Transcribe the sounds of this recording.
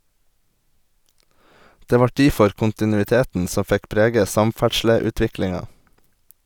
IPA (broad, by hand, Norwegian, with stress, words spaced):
ˈdeː ˈʋɑ ˈʈiːfɔɾ kʊntɪnʉɪˈteːtn̩ ˈsɔ ˈfɛk ˈpɾeːɡə ˈsɑmˌfæʈʃləʉːˌtʋɪklɪŋɑ